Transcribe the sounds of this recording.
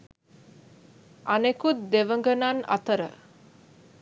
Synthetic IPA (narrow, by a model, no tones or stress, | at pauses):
anekut̪̚d̪eʋəŋɡənana̰t̪əɾə̰